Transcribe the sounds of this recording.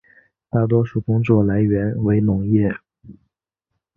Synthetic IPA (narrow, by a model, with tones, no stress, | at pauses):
t̪a˥˩t̪̬wɔ˥ʂu˥˩kʊ˥ŋt͡swɔ˥˩la˧˥ɪɥɛ˧˥nwe˧˥ɪnʊ˧˥ŋjɛ˥˩